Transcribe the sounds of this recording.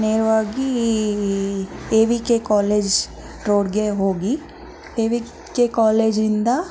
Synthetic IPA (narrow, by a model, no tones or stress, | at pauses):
neːɾʋaɡi | eːʋikekɔːleːd͡ʒ | ɾoːɽɡeɦoːɡi | eːʋi | kekɔːleːd͡ʒɾɪ̃nd̪a